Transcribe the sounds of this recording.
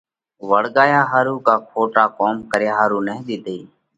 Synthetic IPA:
ʋəɽɠaːjaːɦaːɾuːkaːkʰoːʈaːkoːmkəɾjaːɦaːɾuːnəɦɗ̪ɪːd̪eː

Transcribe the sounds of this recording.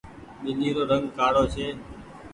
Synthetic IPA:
ɓɪliːɾoːɾəŋɡkaːɽoːt͡ʃʰeː

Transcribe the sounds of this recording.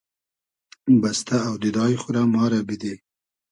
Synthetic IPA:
bast̪aːwd̪ɪd̪ɑjxʊɾamɑːɾabid̪e

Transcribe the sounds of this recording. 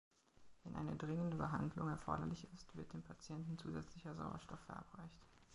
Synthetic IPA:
vɛnʔa̰ɪnədʁɪŋəndəbəɦa̰ndlʊŋɛɐfɔ̰ɐɾɐ̰lɪçɪstv̥ɪɐt̚d̥eːmpʰat͡sjɛntn̩t͡suːzɛt͡slɪçɐza̰ʊɐ̰ʃtɔfːɛɐʔa̰pʁ̥aɪçt

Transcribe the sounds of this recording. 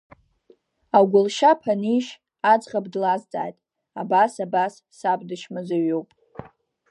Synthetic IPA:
aɡʷʊlʃapʰaniʃ | ad͡zqabdlazd͡zʼa̰ːjtʼ | abasabasːabʼdɨʃmɨzaɥowpʼ

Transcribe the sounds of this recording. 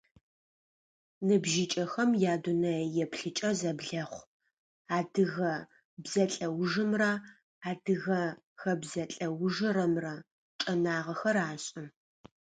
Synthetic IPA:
nɨbʒɪt͡ʃʼɐxɐmjaːdunɐjɛpʰɬɨt͡ʃʼɐzɐbɮɐχʷ | aːdɨɣɐ | bzɐɬʼɐwʐɨmra | aːdɨɣɐ | xɐbzɐɬʼɐwʊʒɨɾɐmrɐ | ʈ͡ʂʼɐnaːʁɐxɐraːɕʼɪ

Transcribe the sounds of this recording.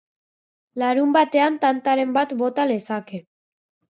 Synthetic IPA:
laɾumbat̪e̞ant̪ant̪aɾe̞mbat̪bo̞t̪alesake

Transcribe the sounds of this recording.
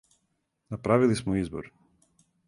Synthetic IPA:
napɾavilˠismɔizbɔ̰ɾ

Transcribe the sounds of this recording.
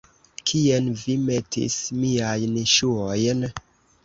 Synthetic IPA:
kʰienvime̞tḭsmiajnʃuojn

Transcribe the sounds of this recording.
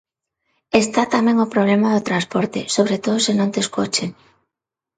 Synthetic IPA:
est̪at̪amẽŋopɾoβlemaðot̪ɾanspoɾt̪esoβ̞ɾet̪oðosenõnt̪eskot͡ʃeŋ

